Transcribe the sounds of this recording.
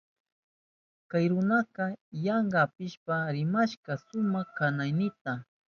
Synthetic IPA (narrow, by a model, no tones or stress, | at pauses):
kajɾʊnaqɑjaɴɢɑːpɪʃpaɾɪmaʃkasʊmɑχkanajnɪt̪a